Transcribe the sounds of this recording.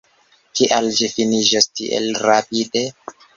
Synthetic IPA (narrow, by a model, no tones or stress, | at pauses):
kiʔald͡ʒifinid͡ʒastiʔḛlɾapide